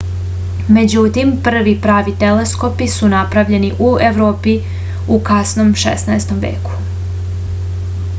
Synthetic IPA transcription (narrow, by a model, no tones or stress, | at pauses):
me̞d͡ʑut̪impr̩ʋipɾaːʋit̪elesko̞pisunapɾaʋʎe̞niʔueʋɾoːpi | ukasnomʃḛsnaest̪o̞mʋḛːku̥